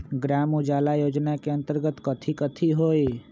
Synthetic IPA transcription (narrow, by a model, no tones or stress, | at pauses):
ɡɾamud͡ʒalajod͡ʒnakeənt̪əɾɡət̪kət̪ʰikət̪ʰiɦoj